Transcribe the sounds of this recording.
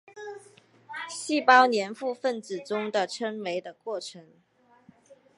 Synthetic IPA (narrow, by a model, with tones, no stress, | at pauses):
ɕi˥˩pɑ˥ʊnjɛ˧˥nfu˥˧fə˥˩nt͡sɹ̩˨˩ʈ͡ʂʊ˥ŋd̪ə˨ʈ͡ʂʰə˥nwe˧˥ɪd̪ə˧kwɔ˥˩ʈ͡ʂʰə˧˥ŋ